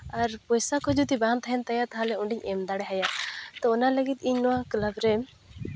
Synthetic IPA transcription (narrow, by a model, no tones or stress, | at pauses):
aɾpɔjsakʰɔd͡ʒut̪ibant̪ʰaɦɛnt̪ajat̪aɦalɛuɳɖiɲɛmd̪aɽɛɦajat̪ɔɔnaləɡit̪iɲnɔwaklabɾɛ